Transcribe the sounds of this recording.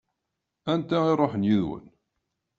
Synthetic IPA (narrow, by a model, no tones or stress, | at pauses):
ænt̪æiɾˤoħənjiðwə̰n